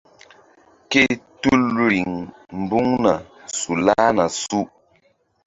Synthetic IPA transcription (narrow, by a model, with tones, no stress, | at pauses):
ke˦tu˦lɾi˨ŋ | m̩˨bu˦ŋna˨ | su˨la˦na˨su˦